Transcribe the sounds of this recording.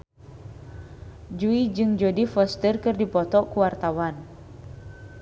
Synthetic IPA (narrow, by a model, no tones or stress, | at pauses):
d͡ʒuid͡ʒɨŋd͡ʒodifɔst̪ərkɨrdipɔt̪ɔkuwart̪awan